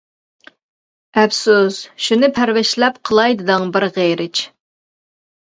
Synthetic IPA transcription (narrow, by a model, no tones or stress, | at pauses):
ɛfsusʃunɪpʰæɾwɪʃlɛpqʰəlˠɑjd̪ɨd̪ɨŋbɪɾʁeɾɪt͡ʃ